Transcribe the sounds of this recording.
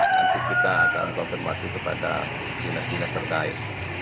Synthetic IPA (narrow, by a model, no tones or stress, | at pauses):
unt̪ukit̪asa̰o̰nkɔnfɛrma̰sɪkəpa̰da̰ | dinasdinast̪ərkaɪt̪̚